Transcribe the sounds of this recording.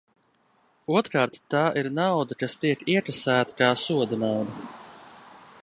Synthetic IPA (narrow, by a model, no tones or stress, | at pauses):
uɔt̪ɾkaːɾt̪ːaːʔiɾnawd̪akast̪iɛkiɛkɾasæːt̪ḁkaːsuɔd̪anawd̪ɐ